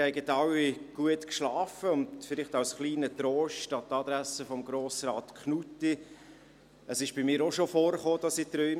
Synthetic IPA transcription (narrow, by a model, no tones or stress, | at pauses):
hɛɪɡət̪ɑwːiɡ̥uətkʃlɑːfəʊndfɪlɪχtɑwsχliːnətɾoːʃtɑt̪ɑd̪ɾæsəfɔmɡɾoːsɾɑːt̪kχnutːi | əsɪʃb̥ɪmɪːɾoʃofoːɾχoːd̥ɑsit̪ɾœʏ